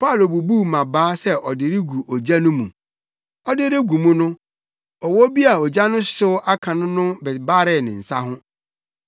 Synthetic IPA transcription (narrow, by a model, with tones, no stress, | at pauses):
pʰa˦˨lo˨bu˨bu˦mã˨baː˦sɛ˦ʔɔ˨dɪ˨ɾɪ˦ɡu˨ʔɔ˨d͡ʑa˦nʊ̃˦mṵ̃˨ | ɔ˦dɪ˦ɾɪ˦ɡu˨mũ˦nʊ̃˦ | ɔ˨wɔ˦bi˦a˨ɔ˨d͡ʑa˦nʊ̃˦sʊ˦ʔa˦kʰã˨nʊ̃˦nʊ̃˦bɛ˨ba˦ɾɪ˦˨nɪ̃˨n̩˨sa˦ɦʊ̃˦